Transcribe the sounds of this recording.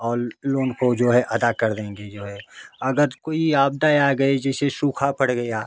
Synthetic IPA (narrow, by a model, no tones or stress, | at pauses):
ɔːɾloːnkod͡ʒoːɦɛʔɐd̪akɐɾd̪ẽːŋɡed͡ʒoːɦɛːɐɡəɾkoːiaːb̚d̪ajaːɡɐed͡ʒɛːsesuːkʰapəɽɡɐjaː